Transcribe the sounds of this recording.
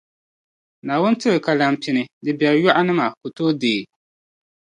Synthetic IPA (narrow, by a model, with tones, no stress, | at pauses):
naː˨wʊ˦n˦tɨ˦ɾɨ˨ka˨la˨m˨pi˨nɨ˨dɨ˨bɛ˨ljɔ˦ʔa˦nɨ˦ma˨ko˨toː˦deː˨